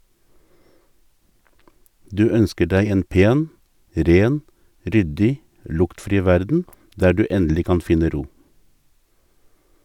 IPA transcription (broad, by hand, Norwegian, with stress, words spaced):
ˈdʉː ˈœnskə ˈɖæɪ ˈeːn ˈpeːn ˈɾeːn ˈɾʏdɪ ˈlʊktfɾiː ˈʋæɾdn̩ ˈdæː ˈɖʉː ˈɛndl̩ɪ ˈkɑn ˈfɪnə ˈɾuː